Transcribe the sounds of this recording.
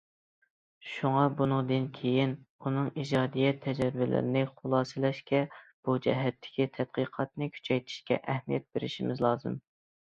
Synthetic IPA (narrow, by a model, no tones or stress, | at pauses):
ʃuŋɑbunɨŋd̪ɨnkʲʰejinunɨŋid͡ʒɑːd̪ijɛt̪ʰːɛd͡ʒɛɾvɪlɪ̰ɾɪnɪχolˠɑːsɨlɛʃkʲɛb̥ud͡ʒɛ̰ɦɛt̪ʰːɪ̥kʲit̪ʰɛt̪̚qiqʰɑt̪̚nɨkʲʰy̥t͡ʃʰɛjt̪ʰi̥ʃkʲɛ̰ʔɛhmijɛt̪̚b̥eɾɪ̰ʃimɪzlˠɑːzɨm